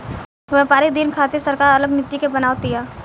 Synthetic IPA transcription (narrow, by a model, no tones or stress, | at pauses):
ʋɛpaːɾid̪ɪnkʰaːt̪isɐɾkaːɾɐləɡnɪt̪ːikebɐnaːʋt̪ijaː